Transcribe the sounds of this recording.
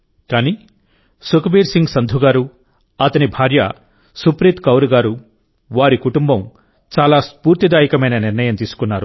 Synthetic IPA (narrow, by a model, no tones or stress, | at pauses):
kaːniː | sukɐbiːɾsiŋɡsɐnd̪ʱuɡaːɾu | ɐt̪ɐnibʱaːɾjɐ | supɾit̪kɐwɾuɡaːɾu | ʋaːɾikuʈumbɐm | t͡ʃaːlaːspuːɾt̪id̪aːjikɐmɐjnɐniɾnɐjɐmt̪iːsu̥kunːaːɾu